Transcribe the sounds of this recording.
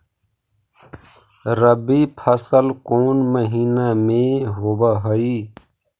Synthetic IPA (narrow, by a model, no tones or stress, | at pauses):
ɾəbipʰəsəlkoːnməɦiːnamẽɦoːbaɦəi